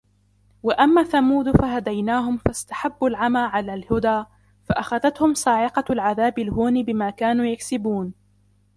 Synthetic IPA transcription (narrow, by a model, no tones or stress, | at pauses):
waʔamːaːθamuːd̪faɦad̪ajnaːɦʊmfast̪ḁħabːalʕamaːʕalaːlhʊd̪aː | faʔaxaðat̪hʊmsˤɑːʕɪqɑlʕaðaːbɪlɦuːnɪbɪmaːkaːnuːjaksɪbuːn